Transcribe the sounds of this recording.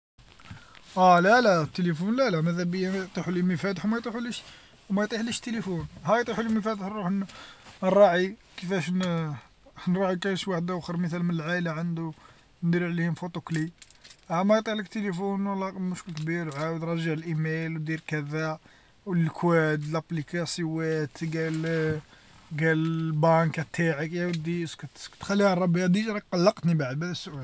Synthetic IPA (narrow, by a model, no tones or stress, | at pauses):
ʔælælæt̪ːelifunlælæmæðæbəjːæjt̪ˤiħuliməfæt̪ħumæjt̪ˤiħuliʃ | wmæjt̪ˤiħliʃt̪ːelifunɦæjt̪ˤiħuliməfæd̪ħɾuħ | nrˤɑʕikəfæʃn | nɾˤɑʕikænʃwaħəd̪ʔæwxəɾˤmət̪ælmənəlʕalaʕand̪u | nd̪iɾʕlihʊmfot̪ˤukliæmæjt̪ˤɑʕlək̚t̪elifunwəlːæmʊʃkəlkbiɾʕawəd̪ɾˤɑʒaʕəlʔimejlwd̪iɾkæd̪æ | wlkʰwæd̪læplikɑsəwæt̪ɡæl | ɡæləbɑnkæt̪ʰːaʕəkjæwd̪iskæt̪kt̪xælːihæɾˤːɑbiæd̪iʒɾˤɑk̚qɑlːɑqt̪nibaʕd̪̚bædəsːʊʔæl